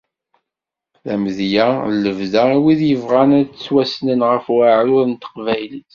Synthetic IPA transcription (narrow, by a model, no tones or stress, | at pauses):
ðæmðjælːəvðæiwiðjəvʁænæt͡sːwæsnənʁəfwaʕʊðənt̪ə̥qvæjləθ